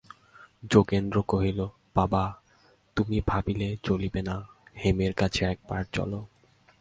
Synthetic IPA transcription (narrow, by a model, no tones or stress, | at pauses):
d͡ʑokend̪ɾokoɦilo | b̥aba | t̪umibʱabilet͡ɕolibenahemeɾkat͡ɕʰeɛk̚baɾt͡ɕɔ̰lo